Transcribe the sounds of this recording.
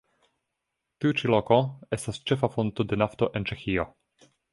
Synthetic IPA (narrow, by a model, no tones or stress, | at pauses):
tiut͡ʃiloko̞e̞stast͡ʃe̞fafo̞nt̪ode̞naft̪oʔe̞nt͡ʃe̞xio